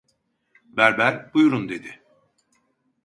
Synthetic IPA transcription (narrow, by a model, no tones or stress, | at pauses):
bæɾbæɾbujuɾund̪e̞d̪ɪ